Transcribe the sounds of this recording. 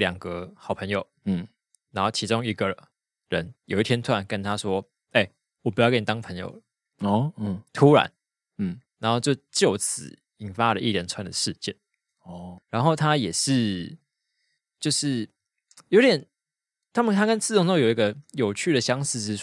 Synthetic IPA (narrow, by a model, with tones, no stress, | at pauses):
ljɑ˨˩ŋɡə˦xɑ˨˩ʊpʰə˧˦ŋjo˨˩ʊ | na˧˦nxo˥˩ʊt͡ɕʰi˧˥ʈ͡ʂʊ˦˥ŋi˧˥ɡə˨ə˩ | ɻə̰˦njo˨ʊi˥˩t̪ʰjɛ˥nt̪ʰu˥a˧˦nkə˦nt̪ʰa˦swɔ˦˥ | e˥˩ɪ | wɔ˨˩p̬u˧˥jkə˥ni˨˩t̪ɑ˥ŋpʰə˧˦ŋjo̰˨˩ʊ˥ | t̪ʰu˦˥ɻa̰˧˦n˩ | ɻa˨˧˦nxo˥˧ʊt͡ɕjo˥˩˧t͡ɕjo˥˨ʊt͡sʰɹ̩̰˨˩˦ | i˨˩nfa˦˥lə˨ʔḭ˥˩ljə˧˥nt͡sʰwa˧˥nd̪ə˨ʂɻ̩˥˧t͡ɕjɛ̰˥˩n | ɔ˥˩ɻa˧˦nxo˥˩ʊt̪ʰa˦jɛ˨˩ʂɻ̩˥˩ | t͡ɕjo˥˧ʊʂɻ̩˥˩ | jo˧˥ʊt̪jɛ˨˩n | t̪ʰa˥mə˨t̪ʰa˥kə˥˦nt͡s̩̪ʰ˥˩o˥ŋ˥˨jo˨˩ʊi˧˦ɡə˧jo˨˩ʊt͡ɕʰy˥˩d̪ə˩ɕjɑ˦˥ŋs̩˥˧˥